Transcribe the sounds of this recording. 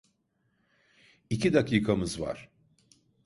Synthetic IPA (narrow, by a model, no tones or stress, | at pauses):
icʰid̪akʰiːkʰamɯzva̰ɾ̥